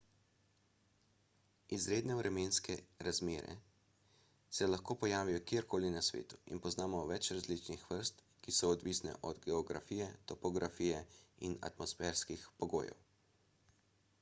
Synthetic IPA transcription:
izɾeːd̪nɛuɾʔɛmeːnskɛɾazmeːɾɛ̰ | sɛlaxkoːpɔjaːʋijɔkjeɾkoːlinasʋḛːt̪u̥ḭnpɔznaːmɔʋɛt͡ʃɾazlit͡ʃnixʋəɾst̪ | kisɔɔd̪ʋisnɛ̰ʔɔd̪ɡɛɔɡɾa̰fiːjɛt̪ɔpɔɡɾʔafiːjɛina̰t̪mɔsfɛːɾskixpɔɡo̰ːjɛ̰w

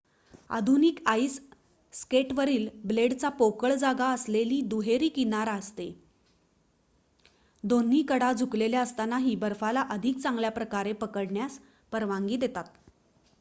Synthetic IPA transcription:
a̰d̪ʱunikaisː | keʈʋəɾiːlbleɽt͡sapokəɭd͡zaɡaəsleliːd̪uɦeɾiːkinaɾast̪e | d̪onːiːkəɽad͡zʱukleljaəst̪anaɦiːbəɾfalaʔəd̪ʱik̚t͡sãŋɡljapɾəkaɾepəkəɽɳjas | pəɾʋaŋɡiːd̪et̪at̪

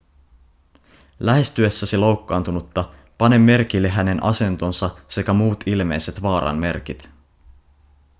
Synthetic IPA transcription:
læɦe̞st̪yesːæsilo̞wkːɑːnt̪unut̪ːɑ | pɑne̞mːe̞rk̟ilːeɦæne̞nʔɑ̰se̞nt̪o̞nsɑse̞kæmuːt̪ilme̞jse̞t̪ʋɑːɾɑ̰nme̞̰rk̟it̪

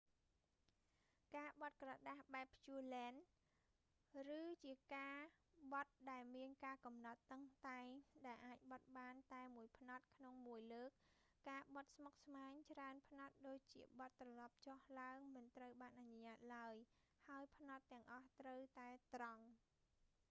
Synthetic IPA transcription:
kaːɓɑt̪̚krɑɗahɓaɛpːʰjuəlɛːn | rɨːt͡ɕiəkaːɓɑt̪̚ɗaɛlmiənkaːkɑmnɑt̪ːəŋt̪aɛŋɗaɛlʔaːc̚ɓɑt̪̚ɓaːnt̪aɛmuəjpʰnɑt̪̚kʰnoŋmuəjləːk̚ː | aːɓɑt̪̚smok̚smaːɲt͡ɕraənpʰnɑt̪̚ɗoːc̚t͡ɕiəɓɑt̪ːrɑlɑp̚t͡ɕohlaəŋmɨnt̪rəwɓaːnʔaɲoɲaːt̪̚laəj | haəjpʰnɑt̪ːɛ̆əŋʔɑht̪rəwt̪aɛt̪rɑŋ

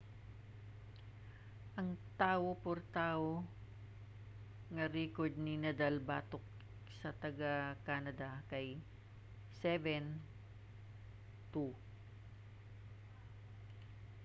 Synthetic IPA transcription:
ʔɐŋt̪aːʔopoɾt̪aːʔo | ŋɐɾɛkoɹd̪̚nɪnɐd̪albaːt̪ok | sɐt̪ɐɡakaːnɐd̪ɐkɐj | sɛvɛn | t̪u

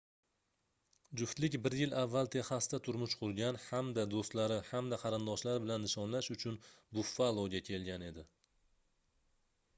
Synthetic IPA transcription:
d͡ʒʊft̪lɪkʲbɪɾjɪlʔavːalˠt̪ʰe̞hast̪at̪ʰʊɾmʊʃqʰʊɾɡʲanhamd̪ad̪ost̪laɾɪhamd̪aqʰɑɾɪnd̪ɒʃlaɾɪbɪlanːɪʃɒnlaʃʊt͡ʃʰʊnbʊfːalˠoɡʲakʲʰe̞lɡʲane̞d̪ɪ

